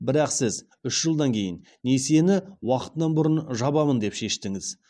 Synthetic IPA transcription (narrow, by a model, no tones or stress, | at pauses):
bɪɾɑqsɪz | ʏʃʒəlˠd̪ɑŋkʲʰe̞jɪ̰n | ne̞se̞nɪwɑqə̥t̪ənɑnbʊɾənʒɑbɑmənd̪e̞pʃe̞ʃt̪ɪŋɪz